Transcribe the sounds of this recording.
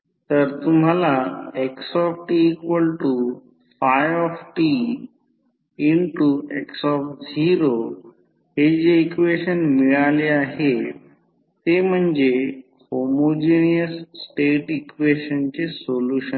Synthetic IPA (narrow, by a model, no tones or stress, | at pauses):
t̪əɾt̪umɦalaeksɔfʈiːkʋəlʈu | fajʋɔfʈi | ɳʈueksɔfd͡ʑiɾo | ɦed͡ʑeikʋeɕənmiɭaleaɦe | t̪em̤əɳd͡ze | homod͡ʑinijəsːʈeʈikʋeɕənt͡ɕesoluɕən